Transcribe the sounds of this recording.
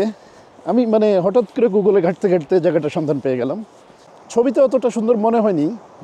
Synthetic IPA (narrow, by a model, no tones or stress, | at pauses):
amimaneɦɔʈat̪koɾeɡuɡuleɡʱaʈ̚t̪eɡʱaʈt̪ed͡ʑaɡaʈaʃɔnd̪ʱanpejeɡɛlam | t͡ɕʰobit̪eɔt̪oʈaʃund̪oɾmoneɦɔeni